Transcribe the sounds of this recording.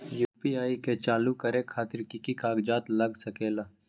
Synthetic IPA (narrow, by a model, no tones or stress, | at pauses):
juːpiaːiket͡ʃaːlukɐɾekʰaːt̪ɪɾkikikaːɡd͡ʒaːt̪lɐɡsɐkeːla